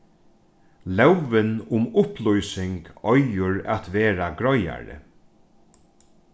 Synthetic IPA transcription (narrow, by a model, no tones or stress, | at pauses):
lɛwvɪnʊmʊplɔjsɪŋkɔjʊɹat̪ʋeːɾaɡɾɔja̰ɾɪ̰